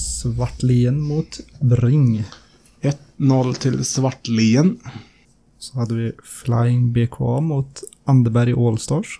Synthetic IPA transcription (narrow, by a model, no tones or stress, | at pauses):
sʋɑʈːliːənmuːt̪bɾɪŋ | ɛt̪nɔlt̪ʰɪlsʋɑʈliːən | sɔhɑd̪ːəʋɪfla̰ɪɪŋbeːkʰo̰ɑ̰ːmuːt̪ | ɑnd̪əbæɾɪʔɔlst̪ɑːʂ